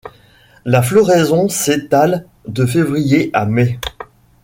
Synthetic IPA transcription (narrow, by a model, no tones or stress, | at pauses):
laflɔʁɛzɔ̃set̪al | d̪əfevʁijeʔamɛ